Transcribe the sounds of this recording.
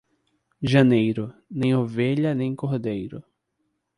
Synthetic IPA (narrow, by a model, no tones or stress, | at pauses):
ʒɐnejɾʊnẽj̃oveʎɐnẽj̃kohd̪ejɾʊ